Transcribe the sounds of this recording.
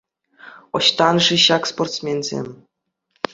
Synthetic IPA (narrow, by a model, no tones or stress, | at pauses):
ŏ̰ɕt̪ɑnʐiɕɑksport̪smʲenʲzʲḛmʲ